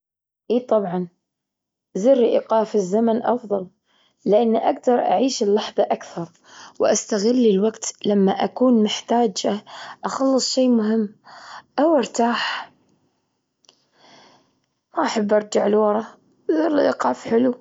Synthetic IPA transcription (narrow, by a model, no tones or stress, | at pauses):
ʔiːt̪ˤɑbʕɑn | zɪrːiʔiqɑːfɪzːamanʔɑfðˤɑl | lɪʔanːiʔaɡd̪ɑɾˤʔa̰ʕiːʃɪlːɑħðˤɑʔakθɑɾˤ | wʔast̪aɣɪlːilwaɡt̪lamːaʔakuːnmɪħt̪aːd͡ʒaʔɑxɑlːɨsˤʃeːmʊɦɪmːʔawʔɑɾt̪aːħ | maʔaħabːʔɑɾˤd͡ʒaʕɪlwɑɾˤɑ | zɪɾiʔiːqɑːfħɪlu